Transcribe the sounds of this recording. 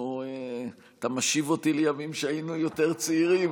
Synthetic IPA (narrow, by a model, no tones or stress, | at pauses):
ue | t̪amaʃivo̞t̪ilejamimʃeajinujo̞t̪e̞ʁt͡siʁim